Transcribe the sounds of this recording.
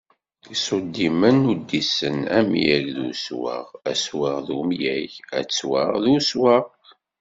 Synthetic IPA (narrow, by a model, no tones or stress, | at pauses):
isˤʊd̪ːimənːud̪ːisənæmḭjæʝðṵswə̰ʁæswəʁðumjæçæ̰t͡sːwəʁðuswəʁ